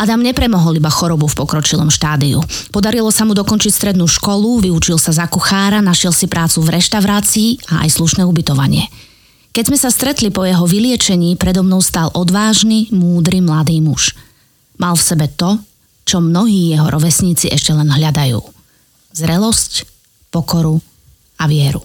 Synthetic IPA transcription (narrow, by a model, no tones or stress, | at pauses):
ʔad̪amɲɛpɾɛmɔɦɔlibaxɔɾɔbufpɔkɾɔt͡ʃilɔ̰mʃt̪aːd̪iṵ | pɔd̪aɾilɔsamud̪ɔkɔnt͡ʃicst̪ɾɛd̪nuːʃkɔluʋiut͡ʃilsazakuxaːɾanaʃɛlsipɾaːt͡suvɾɛʃt̪aʊɾaːt͡siːaa̰jsluʃnɛːubit̪ɔʋa̰ɲɪɛ | kɛɟzmɛsast̪ɾɛt̪lipɔjɛɦɔʋilɪɛt͡ʃɛɲiːpɾɛd̪ɔmnɔʊst̪alʔɔd̪ʋaːʒnimuːd̪ɾimlad̪iːmuʃ | malˠfsɛbɛt̪ɔ | t͡ʃɔmnɔɦiːjɛɦɔɾʔɔʋɛsɲiːt͡siʔɛʃcɛlɛnɦʎad̪ajṵː | zɾɛlɔsc | pɔkɔɾu | aʋɪɛɾu